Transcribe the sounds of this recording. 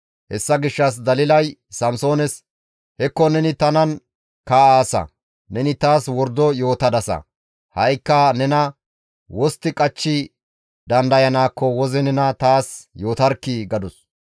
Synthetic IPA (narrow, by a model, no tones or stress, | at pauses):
hɛsːɐɡɪʃːɐs̬d̪ɐlɪlɐjsɐmso̞ːnɛs | hɛkːɔnɛnɪt̪ɐnɐn | kaːaːsɐ̰ | nɛnɪt̪aːswɔɾd̪ɔjo̞ːt̪ɐd̪ɐsɐ̰ | hɐjkːɐnɛnɐ | wɔst̪ːɪkʼɐt͡ʃːɪ | d̪ɐnd̪ɐjɐnaːkːɔwɔzɛnɛnɐt̪aːsjo̞ːt̪ɐɾkːiɡɐd̪ʊs